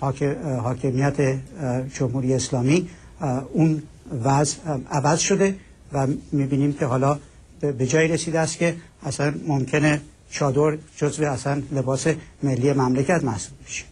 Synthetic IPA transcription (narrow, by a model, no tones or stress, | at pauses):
hhɒːkʰe̞mijæt̪ʰed͡ʒomhuɾijeːslɒːmiː | un | væzævæzʃo̞d̪e̞ | væmiːbiːniːmcʰe̞ɦɒːlɒː | be̞d͡ʒɒːiːɾesiːd̪eæst̪̚cʲe̞ | æsænmomcʰe̞ne | t͡ʃʰɒːd̪oɾd͡ʒozveæsænle̞bɒːse̞me̞lːiːjemæmlecʰæt̪mæhsubbeʃe̥